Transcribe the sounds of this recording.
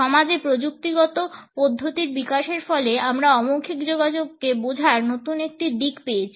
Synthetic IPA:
ɔmad͡ʑepɾod͡ʑuk̚t̪iɡɔt̪opɔd̪ʱːot̪iɾbikaʃeɾfɔleamɾaɔmokʰːikd͡ʑoɡad͡ʑoɡːebod͡ʑʱaɾnot̪unek̚ʈid̪ikpejet͡ɕʰi

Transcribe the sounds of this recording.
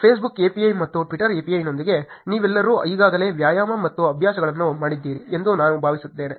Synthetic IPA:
pʰeːsbukeːpijɐjmɐt̪ːuʈʋiʈɐɾeːpijɐjinːo̞nd̪iɡe̞niːʋɛlːɐɾuiːɡaːɡɐle̞ːʋjaːjaːmɐmɐt̪ːuɐbʱjaːsɐɡɐɭɐnːumaːɽid̪ːiːɾiend̪unaːnubʱaːʋisut̪ːe̞ːne̞

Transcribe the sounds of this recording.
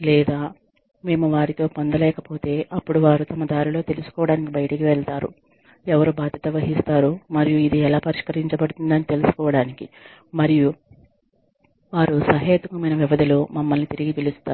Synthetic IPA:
lɛːd̪aː | me̞ːmuʋaːɾit̪o̞ːpond̪ɐlɛːkɐpo̞ːt̪e̞ːʔɐpːuɽuʋaːɾut̪ɐmɐd̪aːɾilo̞ːt̪e̞lusu̥kɔːʋɐɽaːnikibɐjɐʈɐkiʋɛɭt̪aːɾṵ | ɛʋɐɾubaːd̪ʱjɐt̪ɐʋɐɦist̪aːɾumɐɾijuid̪iɛlaːpɐɾiʂkɐɾiɲt͡ʃɐbɐɽut̪und̪ɐnit̪e̞lusu̥kɔːʋɐɽaːnikimɐɾiju | ʋaːɾusɐɦɐːd̪ʋikɐmɐjnɐʋiʋɐd̪ilumɐmːɐlnit̪iɾiɡipilist̪aːu

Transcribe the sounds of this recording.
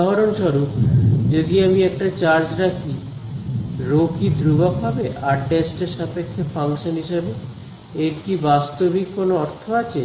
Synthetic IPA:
aɦaɾonʃɔɾupd͡ʑod̪iamiɛk̚ʈat͡ɕaɾd͡ʑɾakʰi | ɾokid̪ɾuɡakɦabeʔaɖesʈeɾʃapekʰːefaŋʃonɦiʃebe | eɾkibast̪obikːonoɔɾt̪ʰoat͡ɕʰe

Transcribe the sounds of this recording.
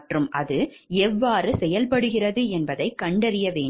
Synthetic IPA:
ʈrɯmʔɐðɯɛʋːaːrɯsɛjɐlpɐɽɯɣɪrɐðɯɛnbɐðɐɪkːɐɳɖɐɾɪjɐʋeː

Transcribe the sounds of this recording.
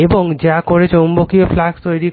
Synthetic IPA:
eboŋd͡ʒakoɾet͡ʃombokiopʰlakst̪ojɾi

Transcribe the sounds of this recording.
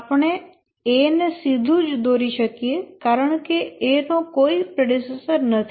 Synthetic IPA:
pɳe | eːnesid̪ʱud͡ʒd̪oːɾiʃəkiekaːɾəɳkeeːnõːkoːipɾeɖɪsesəɾnət̪ʰ

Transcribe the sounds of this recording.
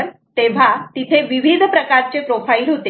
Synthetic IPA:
ɾ | t̪eʋ̤at̪it̪ʰeʋiʋid̪ʱpɾəkaɾt͡sepɾofailɦot̪e

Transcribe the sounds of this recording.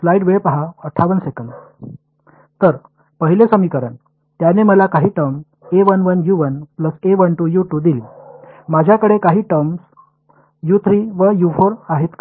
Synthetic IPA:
slaiɖʋeɭpaɦaəʈʰaʋənsekəɳɖ | t̪əɾ | pəɦilesəmiːkəɾən | t̪janeməlakaɦiːʈəɾm | eʋənʋənjuʋənpləseʋənʈujuʈuːd̪ilimad͡ʑʱjakəɽekaɦiːʈəɾms | jut̪ʰɾiːʋəjufoɾaɦet̪k

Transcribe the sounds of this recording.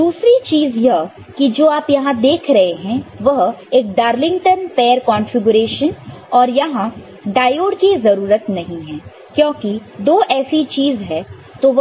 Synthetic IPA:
d̪uːsɾit͡ʃiːzjɐɦ | kid͡ʒoːaːpjɐɦãd̪eːkʰɾɐɦeɦɛ̃ʋɐɦeːk̚ɖaːɾlɪ̃ŋʈənpɛːəɾkɔ̃ːnfɪɡʊɾeːʃənɔːɾjɐɦã | ɖaːjoːɖkizɐɾuːɾət̪nɐɦĩɦɛ̃ː | kjõːkid̪oːʔɛːsit͡ʃiːzɦɛ̃ | t̪oʋɐ

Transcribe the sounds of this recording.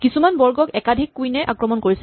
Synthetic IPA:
kisumanbɔɹɡɔkɛkadʱikːujnɛʔa̰kɹɔmɔnkoɹisɛ

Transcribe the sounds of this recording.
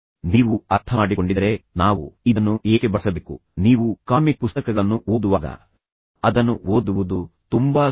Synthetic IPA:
niːʋuɐɾt̪ʰɐaːɽikoɳɖid̪ɐɾe̞naːʋṵid̪ɐnːuʔeːkebɐɾsɐbeːkṵniːʋukaːmipust̪ɐkɐɡɐɭɐnːuo̞ːd̪uʋaːɡɐ̰ | ɐd̪ɐnːuoːd̪uʋud̪ut̪umbaː

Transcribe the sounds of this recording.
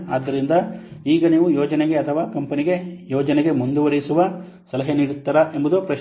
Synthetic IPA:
aːd̪ːɐɾind̪ɐiːɡɐniːʋujɔːd͡ʒɐneɡe̞ɐt̪ʰɐʋaːkɐmpɐniɡe̞jɔːd͡ʒɐneɡe̞mund̪uʋɐɾisuʋɐ | sɐlɐɦeniːɽut̪ːɐɾaʔe̞mbud̪upɾɐʃ

